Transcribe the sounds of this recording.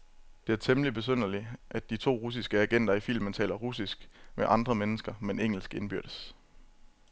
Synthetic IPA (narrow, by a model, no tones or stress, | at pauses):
d̥e̝æɐt͡sʰeməlib̥e̝s̬øn̰ɐliʔæd̥ːit͡sʰo̝̰ːʁus̬isɡ̥əæɡ̥en̰d̥ɐifil̰mənt͡sʰɛ̰ːlɐʁusisɡ̥meʔɑ̈nd̥ʁɐmenəsɡ̥ɐmeneŋ̰l̩sɡ̥e̝nb̥yɐɾ̥əs